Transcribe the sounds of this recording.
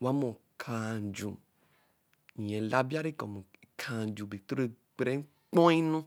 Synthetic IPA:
wa˨˦mɔ̃˨kʰã˨d͡ʒũ˨ | ĩ˨ɛ̃˨la˦ba˦ɾe˦˨kɔ˨mũ˨kʰã˧˨d͡ʒũ˨be˨t̪o˦ɾe˧ | k͡pɾɛ˨˦ŋ̩˦ | k͡pɔ̃˦i˦nũ˦

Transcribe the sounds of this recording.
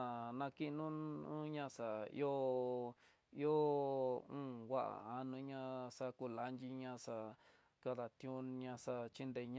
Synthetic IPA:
nã˧ki˦nũ˦ũ˦ɲã˧sa˨ḭ˦o˦ | i˦o˦ | ũː˦wa˦ʔa̰˨a˧nũ˧˦ɲã˧sa˧ku˧la˧nd͡ʒi˧ɲã˧ʂa˧ | ka˧ða˨t̪jũ˦ɲã˧sa˧t͡ʃi˦nd̪e˧˨ɲ̃

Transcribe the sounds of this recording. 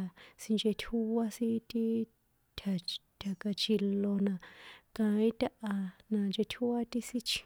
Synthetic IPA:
si˧nd͡ʒe˧t̪ʲʰu˦a˦si˦t̪i˦ | t̪ʰa˨t̪ʲʰa˨ka˧t͡ʃʰi˧lo˧nã˧kã˧ĩ˦t̪ʲa˧˦ʔa˧nã˧nd͡ʒe˧t̪ʲʰu˦a˦t̪i˦si˦t͡ʃʰĩ̥˧

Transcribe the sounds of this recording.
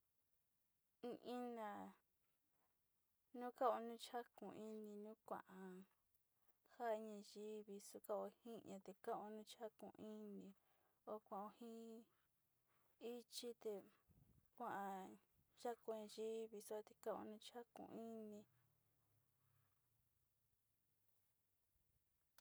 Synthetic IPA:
ĩ˧ʔĩ˦nã˧˨ | nũ˦ka˦o˧nũ˦t͡ʃa˦kũ˨i˦nĩ˧nũ˦kʷã̰˧ʔã˧ | ha˦˧ɲã˧ʒi˦βi˧su˧ka˦o˧hĩ˦ɲã˧t̪e˧kã˦o˧nũ˦t͡ʃa˦kṵ̃˧˨ʔi˦nĩ˧ | o˧˦kʷã˧˨˧o˧hĩ˦ | i˦t͡ʃi˦t̪e˧ | kʷã˦ʔã˧ʒ̥a˦ko˧˨ɲẽ˧ʒi˦βi˧su˦a˧t̪e˧kã˦õ̰˧nũ˦t͡ʃa˦kṵ̃˧i˦nĩ˧

